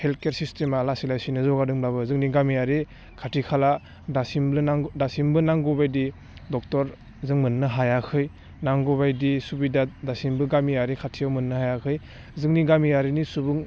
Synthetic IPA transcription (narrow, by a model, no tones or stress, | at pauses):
helkeɾsistemalasilajsinɯzɔɡadɯŋblaβɯzɯŋniɡamiaɾi | kʰatʰikʰala | dasimɯnaŋdasimbɯnaŋɡɔbajdi | dɔk̚tɔɾ | zɯŋmɯnːɯɦajakʰɯj | naŋɡɔβajdisubidadasimbɯɡamiaɾikʰatʰiawmɯnːɯhajakʰɯj | zɯŋniɡamiaɾinisubuŋ